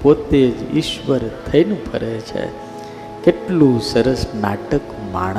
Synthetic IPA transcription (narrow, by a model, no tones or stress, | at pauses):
pot̪ed͡ʒḭʃʋəɾt̪ʰəinũpə̰ɾet͡ʃʰḛ | keʈlũsəɾəsna̰ʈəkma̰ɳ̃